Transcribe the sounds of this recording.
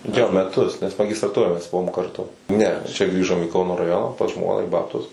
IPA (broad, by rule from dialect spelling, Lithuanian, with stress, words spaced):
ˈjoː mʲɛˈtʊs nʲɛs mɐɡʲɪstrɐˈtʊroːj mʲɛs ˈbʊʋoːm kɐrˈtʊ ˈnʲɛ t͡ʃʲɛ ˈɡrʲiːʒoːm iː ˈkɐʊnoː rɐˈjoːnɐ pɐs ˈʒmoːnɐ ɪ ˈbɑːptʊs